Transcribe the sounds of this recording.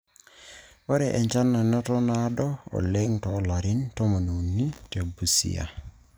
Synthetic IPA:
ɔ˦ɾɛ˨ʔɛ˨ɲt͡ʃa˦nːa˨nɔ˦tɔ˦na˨˦dɔ˦ɔ̰˨lɛ˦ŋtɔ˨˦la˨ɾɪ˦ntɔ˦mɔ˨no˨nːi˦te˨bu˨sḭ˦a̰˨

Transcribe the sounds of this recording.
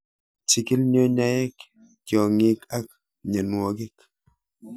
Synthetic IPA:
t͡ʃi˨ki˦lɲo˦ɲa˦ɛ˦k | kjɔ˨ŋi˦ka˦k̚ | ɲə˨nwɔ˨ɡɪ˦k

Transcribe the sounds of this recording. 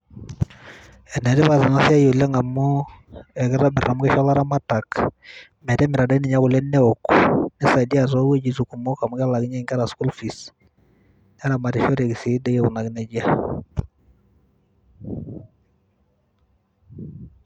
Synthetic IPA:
ɛ˨nɛ˨di˦βa˨zɪ˨na˦si˦a˦jo˨lɛ˦ŋa˨mɔ˦ɛ˨kɛ˦ɾa˦bɪ˨ra˨mʊ˦kɛ˦ʃɔ˦la˦ɾa˦ma˦ta˨k | mɛ˨tɛ˦mɪ˨ɾa˨da˦ni˨ɲa˦kʊ˨lɛ˦nɛ˦ɔ˨knɛ˦sa˨di˦a˨zɔ˦we˦d͡ʒi˨zu˨ku˨mɔ˦ka˨mu˦ka˦la˨ɡɪ˦ɲɛ˦ŋɡa˦ɾa˨sku˦lfi˨s | n˦a˦ɾa˨ma˨ɾi˨ʃɔ˦ɾe˨ki˨si˨˦dɛ˦jɛ˦˨u˨na˨ɡnɛ˨d͡ʒa˦

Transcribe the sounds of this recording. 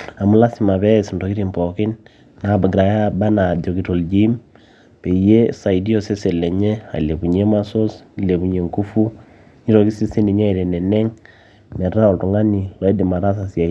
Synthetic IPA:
a˨mu˦la˦si˨ma˨βɛ˦˨snto˨ki˦ɾi˦˨mpɔ˨kɪ˦n | na˨ba˨ɡɾa˨ja˦ba˦na˨do˨ki˨to˨ld͡ʒi˦m | pe˨je˦sa˨i˨di˦o˨se˦se˨lɛ˨ɲe˦a̰˨le˨bu˨ɲe˦ma˦so˦sle˨βu˨ɲe˨ŋku˦fu˦ | ɲi˦ɾo˨ki˦si˦si˦ni˨ɲa˦i˨ɾe˨nɛ˨nɛ˦ŋ | mɛ˨ɾa˦o˨ltu˨ŋa˦ni˨lɔ˨ɛ˦di˨ma˨ɾa˦s̬a˨sja˨

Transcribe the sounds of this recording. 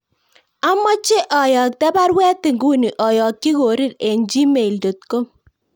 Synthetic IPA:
a˦mːɔ˦t͡ʃe˦ʔɔ˨jɔ˨k̚tɛ˦ba˦ɾwɛː˦tɪ˨ŋɡu˦ni˨ʔɔ˨jɔ˨kːi˦ko˨ɾɪ˦ɾe˨nd͡ʒi˦me˨ldo˨t̚ko˦

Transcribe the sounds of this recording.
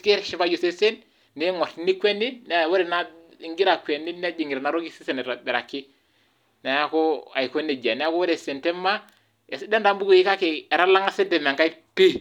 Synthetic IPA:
ke˦ʃi˦fa˦d͡ʒo˨se˦se˦n | ne˦ŋɔ˨tni˦kʷwɛ˦ni˦n˦˨wo˦ɾe˨na˦ | i˦ŋɡi˦ɾa˨kʷwɛ˨nːi˦ne˦d͡ʒi˨ŋiɾna˨ɾo˦ki˦si˦se˨n˨ɾa˨bɛ˨ɾa˨kːɪ˦ | na˨ja˦ko˦a̰˨i˨ko˦ne˨d͡ʒa˨nɛ˨ja˦ko˦wo˦ɾe˨se˨ntɛ˦ma˦ | e˨sdɛ˦nda˨˦mbu˦ku˨ji˦ka˦ke˨ɛ˨ɾa˦la˦ŋa˦se˦dɛ˨me˨ŋka˦pi˦

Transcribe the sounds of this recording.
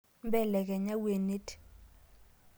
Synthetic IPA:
m˦bɛ˦lɛ˨k̬ʼɛ˨ɲa˦we˨ne˦tʰʼi̥˨

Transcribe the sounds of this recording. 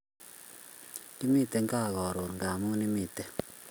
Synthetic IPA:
ni˦mi˦˨te˦ŋɡa˦˨ɣɔ˨ɾo˨ŋɡa˨mu˦ni˦mi˨te˦

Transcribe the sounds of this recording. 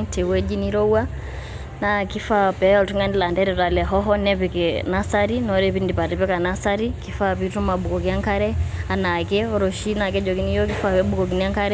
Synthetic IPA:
ntʰɛ˨wɛ˦d͡ʒi˦ni˦ɾɔ˦wa | naki˦fa˦pɛɔ˨ltu˦ŋandi˦la˨ndɛɾɛ˨ta˨lɛ˨ɦɔ˦ɦɔ˦nɛpɛkɛna˦sa˦ɾinɔɾɛpindi˨pa˨ɾɛpɛ˦ka˨nasaɾiki˦fa˦pi˦tu˦ma˨ɓu˨kɔ˨ki˦a˦ŋka˦ɾɛa˨na˨kɛɔ˦ɾɔ˨ʃina˨k̬ɛ˦d͡ʒɔ˨ki˦ni˦jɔ˦k̬i˦fa˨pɛɓu˦kɔ˨k̬i˨nia˦ŋka˦ɾɛ

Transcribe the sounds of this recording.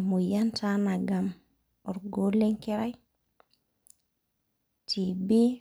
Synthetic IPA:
mo˨jantana˨ɡa˨m | ɔ˨ɾɡo˦le˦ŋke˦ɾa˦j | ti˨bi˦

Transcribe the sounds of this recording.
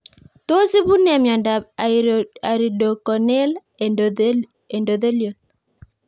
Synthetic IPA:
t̪o˦si˦bu˦nɛ˨mjɔ˨nd | a˨ɾi˨do˨kɔ˨nɛ˦l | e˨ndo˨ðe˦ljo˨l

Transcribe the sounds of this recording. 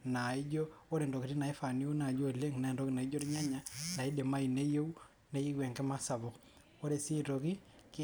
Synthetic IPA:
na˨i˦d͡ʒo˦o˦ɾe˨ndo˨ki˨ɾi˦na˨i˦fa˨ni˦o˦na˨d͡ʒo˦e˨le˦ŋna˨e˨ndo˦ki˦na˨i˦d͡ʒo˦ɾi˦ɲa˦ɲana˨i˦de˨ma˦i˨ne˦je˦u˦ | ne˦i˦ɡwe˨ŋkɛ˦ma˦sa˨βɔ˨k | o˦ɾe˨si˦ɾo˨ki˦k

